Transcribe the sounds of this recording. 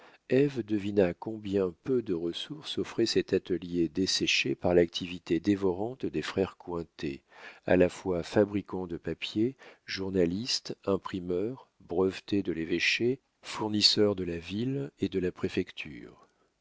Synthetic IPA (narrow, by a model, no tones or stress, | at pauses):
ɛvd̪əvinakɔ̃bjɛ̃pød̪əʁəsuʁsɔfχɛsɛt̪at̪əljed̪esɛʃepaʁlak̚t̪ʰivit̪ed̪evɔʁɑ̃t̪d̪efχɛʁkwɛ̃t̪ḛa̰lafwafabʁikɑ̃d̪əpapjeʒuʁnalist̪ɛ̃pχimœʁbʁəvt̪ed̪əleveʃe | fuʁnisœʁd̪əlaviled̪əlapχefɛkt̪ʰy̰ːʁ